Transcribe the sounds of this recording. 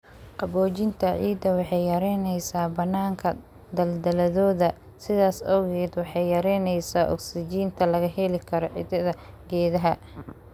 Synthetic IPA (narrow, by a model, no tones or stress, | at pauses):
qɑbɔːt͡ʃɪnt̪ʰɐʕiːd̪ɐwɑħɑjjɐɾɛjnɛjsaːbɐnːaːŋkʰɐ | d̪ɐld̪ɐlɐðɔːðɐ | sɪðaːsɔːɣɛːd̪wɑħɑjjɐɾɛːnɛjsaːʔɔ̰ksɪt͡ʃiːnt̪ʰɐlɐɣɐɦɛlɪkʰɐɾɔʕḭd̪ɐðɐ | ɡɛːðɐɦɐ